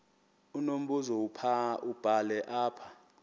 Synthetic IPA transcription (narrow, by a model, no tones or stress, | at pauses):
unom̩buzɔupʰaub̥ʱalɛʔaːpʰḁ